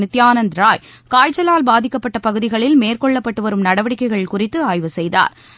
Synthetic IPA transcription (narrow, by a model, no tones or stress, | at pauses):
ɪt̪ːjaːnɐnd̪ɾaːj | kaːjt͡ʃːɐlaːlbaːðɪkːɐpːɐʈːɐpɐɣɯðɪɣɐɭɪlmeːrkɔɭːɐpːɐʈːɯʋɐɾɯmnɐɽɐʋɐɽɪkːɐɪɣɐɭkʊrɪt̪ːɯaːjʋɯsɛjða̰ːɾ